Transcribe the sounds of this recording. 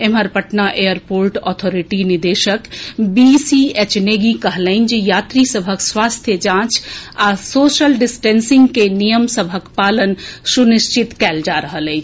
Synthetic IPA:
eməɾpəʈnaʔejəɾpoɾʈɔt̪ʰoɾiʈinid̪eʃəkbisiet͡ʃneɡikəɦlaɪnd͡ʒejat̪ɾisəbʱəkswast̪ʰjəd͡ʒãt͡ʃasosəlɖisʈensiŋɡkenijəmsəbʱəkpalənsunist͡ʃit̪kɛld͡ʒaɾəɦələɪjt͡ʃʰ

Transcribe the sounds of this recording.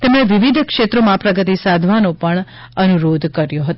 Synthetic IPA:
t̪emɽeʋiʋid̪ʱkʂet̪ɾomãpɾəɡət̪isad̪ʱʋanopəɳ | ənuɾod̪ʱkəɾjoɦət̪

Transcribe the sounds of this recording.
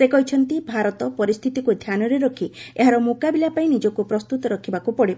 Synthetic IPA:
sekɔɦit͡ʃʰɔnt̪ibʱaɾɔt̪ɔpɔɾist̪ʰit̪ikud̪ʱjanɔɾeɾɔkʰieɦaɾɔmokabilapaĩnid͡ʒɔkupɾɔst̪ut̪ɔɾɔkʰibakupɔɽib

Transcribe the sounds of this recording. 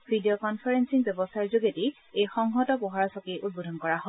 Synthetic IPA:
bʱidijɔkɔnpʰaɹensiŋbɛbɔsaɹzuɡeti | ejxɔŋɦɔtɔpɔɦaɹasɔkeʔut̚budʱɔnkɔɹaɦɔ

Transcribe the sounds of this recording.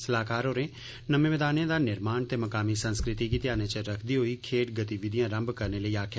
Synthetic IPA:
səlaːkaːɾɦoːɾẽː | nəmẽːʋɪd̪aːnẽːd̪aːnɪɾmaːnt̪eːməkaːmiːsənskɾɪt̪iːkɪt̪ɪjaːneːt͡ʃəɾəkʰd̪iːɦoiːkʰeːʈ̚ɡət̪iːʋɪd̪ɪjãːɾəmbkəɾneːləiːaːkʰ

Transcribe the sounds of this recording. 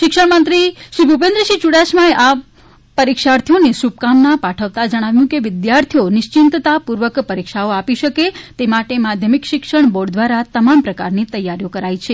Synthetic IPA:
ʃɪkʃəɳmənt̪ɾiʃɾibʱupẽnd̪ɾəʃit͡ʃuɽaʃmaeʔa | pəɾikʃaɾt̪ʰijonesup̚kamnapaʈʰəʋt̪ad͡ʒəɽ̃aʋjũkeʋɪd̪jaɾt̪ʰijonɪʃt͡ʃɪnt̪t̪apuɾʋəkpəɾikʃaoapiʃəket̪emaʈemad̪ʱjəmikʃɪkʃəɳ̃boɖd̪ʋaɾat̪əmampɾəkaɾnit̪əjːaɾjokəɾajt͡ʃʰe

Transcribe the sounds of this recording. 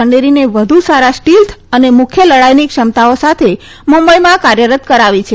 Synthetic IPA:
əɳɖeɾineʋəd̪ʱusaɾasʈilt̪ʰənemʊkʰjələɭajnikʃəmt̪aosat̪ʰe | mumbəjmãkaɾjəɾət̪kəɾaʋit͡ʃʰe

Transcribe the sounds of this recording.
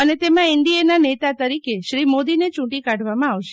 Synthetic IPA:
ənet̪emãɪnd̪ienanet̪at̪əɾikeʃɾimod̪inet͡ʃũʈikaɖʱʋamãaʋʃe

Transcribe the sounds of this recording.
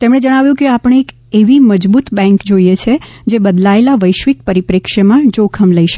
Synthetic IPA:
t̪emɳed͡ʒəɽ̃aʋjũkeapəɽɳ̃eːk | eʋiməd͡ʒbut̪bɛ̃ŋkd͡ʒoijet͡ʃʰe | d͡ʒebəd̪laelaʋəjʃʋikpəɾipɾikʃemãd͡ʒokʰəmləiʃə

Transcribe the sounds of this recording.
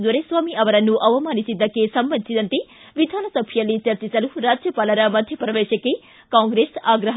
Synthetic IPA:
d̪ʋɐɾesʋaːmiɐʋɐɾɐnːuʔɐʋɐmaːnisid̪ːɐkːesɐmbɐnisid̪ɐnt̪e | ʋid̪ʱaːnɐsɐbʱʰjɐlːit͡ʃɐɾt͡ʃisɐluɾaːd͡ʒjɐpɐlɐɾɐmɐd̪ʱjɐpɾɐʋeːʃɐkːe | kaːŋɡɾesaːɡɾɐɦ

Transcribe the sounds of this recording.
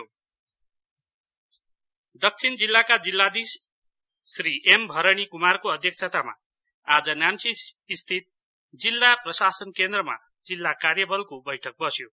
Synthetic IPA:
d̪ʌk̚t͡sʰind͡zilːakad͡zilːad̪isː | riʔembʱʌɾʌɽ̃ikumarkoʌd̪ʱjʌk̚t͡sʰʌt̪ama̰ | ad͡zʌnjansiːst̪ʰit̪̚ | d͡zilːaprʌsasʌnkend̪rʌma̰ | d͡zilːakarjʌbʌlkobʌjʈʰʌk̚bʌsjo

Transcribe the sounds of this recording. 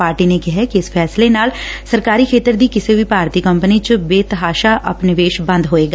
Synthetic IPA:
aːɾʈiːnekɪɦɛkiɪspʰɛːslenaːlsəɾkaːɾiːkʰeːt̪əɾd̪iːkɪseʋiːpaːɾt̪iːkəmpənit͡ʃəbeːt̪əɦaːʃaːʔə̰pnɪʋeːʃbə̃nd̪ɦoːeːɡaː

